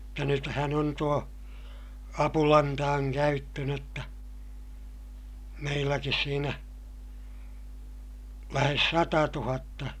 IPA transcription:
mutːɑ nythæn on tuo ɑpulɑntɑːŋ kæytːø n otːɑ meilːækis siːnæ læhes sɑtɑtuhɑtːɑ

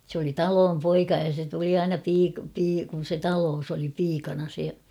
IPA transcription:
s oli tɑloːm poikɑ jɑ se tuli ɑinɑ piːk piː kun̞ se tɑloːs oli piːkɑnɑ se

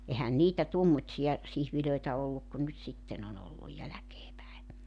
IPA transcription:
ehæn niːtæ tuomːotsijɑ sihʋiløitæ olːuk ku nyt sitːen on olːuj jælækeː pæe

